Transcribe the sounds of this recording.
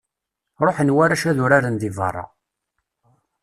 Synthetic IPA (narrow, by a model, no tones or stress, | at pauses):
ɾˤoħənwæɾæʃæðʊɾaɾənðɪvə̰rˤːɑ̰